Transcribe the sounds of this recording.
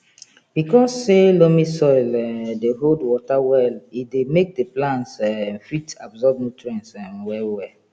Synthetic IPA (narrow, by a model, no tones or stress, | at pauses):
b̥ikɔsːelomisɔɪlɛdeɦoldwɔtawɛlidemek̚deplãntsfitabzɔb̚nutɹɛ̃nsãnwɛlwɛ